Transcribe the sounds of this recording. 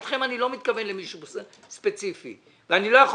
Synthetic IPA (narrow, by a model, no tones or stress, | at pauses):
tχe̞manilo̞mit̪̚kave̞nle̞miʃubse | spe̞t͡sifḭ | veanilo̞jaχ